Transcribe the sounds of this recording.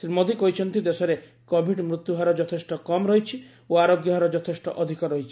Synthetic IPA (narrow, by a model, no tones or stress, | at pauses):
sɾimod̪ʱikoɦit͡ʃʰɔnt̪id̪esɔɾe | kobʱiɖmɾut̪ːjuɦaɾɔd͡ʒɔt̪ʰesʈɔkɔmɾɔɦit͡ʃʰi | oaɾoɡjɔɦaɾɔd͡ʒɔt̪ʰesʈɔ̰ʔɔd̪ʱikɔɾɔɦit͡ʃʰi̥